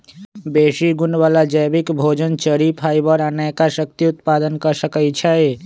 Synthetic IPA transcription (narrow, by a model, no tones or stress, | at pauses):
besiɡunʋalad͡ʒəjbikbʱod͡ʒənt͡ʃəɾipʰajbəɾãnajkasək̚t̪iut̪pad̪ənkəsəkət͡ʃʰəj